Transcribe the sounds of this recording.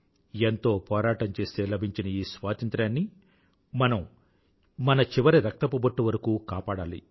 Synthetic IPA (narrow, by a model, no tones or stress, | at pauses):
ent̪o̞ːpɔːɾaːʈɐɲt͡ʃe̞ːst̪e̞ːlɐbʱiɲt͡ʃinɐiːsʋaːt̪ɐnt̪ɾaːnːi | mɐnɐm | mɐnɐt͡ʃiʋɐɾiɾɐk̚t̪ɐpubɐʈːuʋɐɾɐkuːkaːpaːɽaːlḭ